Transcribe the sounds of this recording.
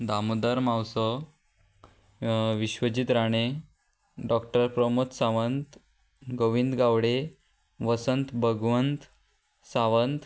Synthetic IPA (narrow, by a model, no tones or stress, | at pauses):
d̪amud̪aɾmawsə | ʋiɕʋəd͡ʑit̪ɾaɽ̃e | ɖɔkʈəɾpɾəmut̪saʋənt̪ | ɡoʋind̪ɡaʋɽe | ʋəsənt̪bʱəɡʋənt̪ | saʋənt̪